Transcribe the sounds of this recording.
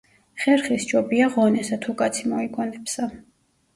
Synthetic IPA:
χɛɾχist͡ʃɔbiaʁɔnɛsat̪ʰukʼat̪sʰimɔikʰʼɔnɛpsa

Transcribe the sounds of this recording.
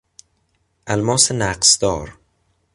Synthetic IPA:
ʔælmɒːsenæqsd̪ɒːɾ

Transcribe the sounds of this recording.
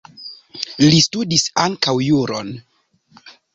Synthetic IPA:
listudisaŋkawjuɾo̰n

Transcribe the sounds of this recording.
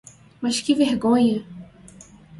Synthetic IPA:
mɐʃkɪveɾɡõɲɐ

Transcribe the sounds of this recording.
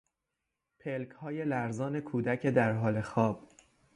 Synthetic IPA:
pʰelcʰhɒːje̞læɾzɒːnekʰuːd̪æcʰed̪æɾɦɒːle̞xɒːb̥̚

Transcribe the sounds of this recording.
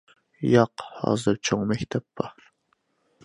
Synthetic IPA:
jɑqhɑ̰ːzɨɾt͡ʃʰoŋmɛkʲt̪ʰɛpbɑɾ

